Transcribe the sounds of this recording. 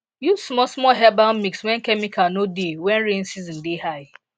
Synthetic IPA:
ju̥smɔsmɔɦɛbãʊ̃nmikswɛ̃nkɛmikʰanodewɛ̃nɾen̩sizĩn̩dehaɪ

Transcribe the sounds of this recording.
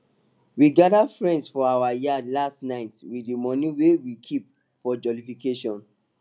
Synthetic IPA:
wiɡadafɹɛ̃ndsfɔawajialastnaɪtwidimɔ̃nĩwewikʰip̚ | fɔd͡ʒɔlifikeʃɔ̃n

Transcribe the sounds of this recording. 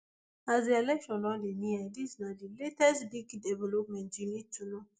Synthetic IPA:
azdielɛkʃɔ̃nlɔliniadisnadiletɛsbikdɛvɛlɔp̚mɛ̃nd͡ʒinituno

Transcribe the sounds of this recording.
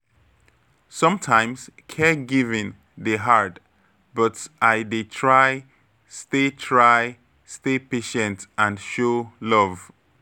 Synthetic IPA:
sʌ̃mtʰãɪ̃mskʰɛɡivĩn | deɦaɹd | bʌtʔaɪdetʰɹaɪ | stetʰɹaɪ | stepeʃɛ̃ntãnʃolɔv

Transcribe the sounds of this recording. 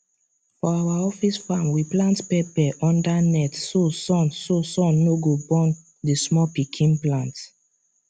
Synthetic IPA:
fɔawaɔfisfamwiplãntpɛpɛʔɔ̃ndanɛtsosɔ̃nsosɔ̃nnːoɡobɔ̃n | dismɔpikʰĩnplãnt

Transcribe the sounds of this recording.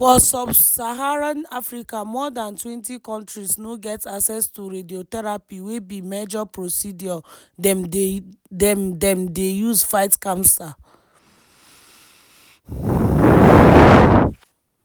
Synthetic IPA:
fɔsɔbsaɦaɹanafɹikamɔdãntwɛ̃ntikɔ̃ntɹisnoɡɛtaksɛstuɹediotɛɹapiwebimɛd͡ʒɔpɹosidiɔ | dɛm | dɛmdɛ̃mdejuzfaɪtkãmsa

